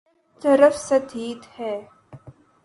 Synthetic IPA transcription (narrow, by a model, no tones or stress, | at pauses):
t̪ɐɾəfsɐd̪ʱiːt̪hɛː